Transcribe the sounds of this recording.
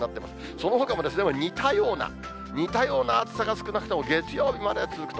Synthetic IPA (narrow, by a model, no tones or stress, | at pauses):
at̪ːema̰sɨ̥ | so̞no̞ɦo̞kamo̞d̪e̞sɨemaɲ̟it̪ajo̞ːna̰ | ɲ̟it̪ajo̞ːnaːt͡sɨ̥saɡasɨ̥kɯ̟nakɯ̟t̪emo̞ɡe̞t͡sɨjo̞ːbʲimad̪e̞t͡sɨzɨkɯ̥t̪o